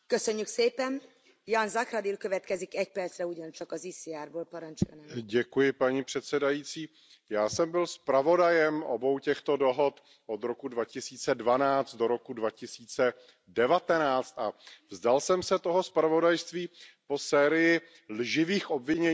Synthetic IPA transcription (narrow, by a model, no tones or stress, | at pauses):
køsøɲːykseːpɛn | janzakɾad̪ilkøvɛt̪kɛzikɛc̚pɛrt̪sɾɛuɟɔnt͡ʃɒkɒzisɪjaːɾboːlpɒɾɑɲt͡ʃʊj̰nɟɛkujɪpaɲipr̥ɛt̪sɛdajiːt͡siː | jaːsɛmbɪlspɾavo̞dajɛmo̰bo̞wcɛxt̪o̞do̞ɦo̞t̪ | ʔo̞d̪ɾo̞kudvacɪsiːt͡sɛdvanaːt͡st̪̚doɾo̞kudvacɪsiːt͡sɛ | dɛvat̪ɛnaːt͡st̪avzdalsɛmsɛt̪o̞ɦo̞spɾavo̞dajst̪viːpo̞sɛːɾɪjɪ | lʒɪviːxʔo̞bvɪɲɛ